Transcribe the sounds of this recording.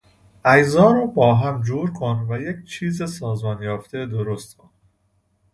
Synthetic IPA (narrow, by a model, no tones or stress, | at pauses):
ʔæjzɒːɾobɒːɦæmd͡ʒuːɾkʰonvæjecʰt͡ʃʰiːzesɒːzmɒːnjɒːft̪ʰe̞d̪oɾost̪on